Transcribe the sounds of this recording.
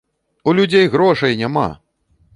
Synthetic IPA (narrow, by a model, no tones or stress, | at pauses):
ulʲud͡zʲejɣɾɔʂɐjnʲama̰